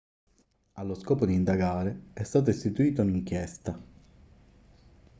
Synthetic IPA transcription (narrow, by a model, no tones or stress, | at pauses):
alːoskɔːpod̪iːnd̪aɡaːɾeɛst̪aːt̪̬oest̪it̪uiːt̪̬ouniŋk̟jɛst̪a